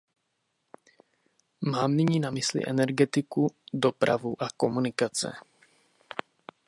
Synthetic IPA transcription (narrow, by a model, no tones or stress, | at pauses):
maːmnɪɲiːnamɪslɪ̰ʔɛnɛɾɡɛt̪ɪkudo̞pɾa̰vuʔako̞munɪkat͡sɛ̰